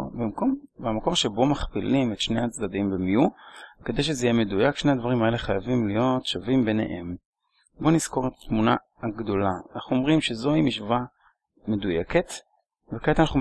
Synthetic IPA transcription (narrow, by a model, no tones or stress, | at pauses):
bimko̞mbamako̞ʁʃebo̞maχpilimet̪ʃne̞jat͡sd̪ad̪imbemiuked̪ejʃ̬ezeijeme̞dujakʃne̞ad̪vaʁimae̞le̞χajavimlijo̞tʃavimbenḛʔḛm | bo̞niz̥ko̞ʁet̪ḁt̪muna | aɡd̪o̞laanaχnuo̞mʁimʃezo̞himiʃva | me̞dujeke̞t̪ | vekeet̪anaχu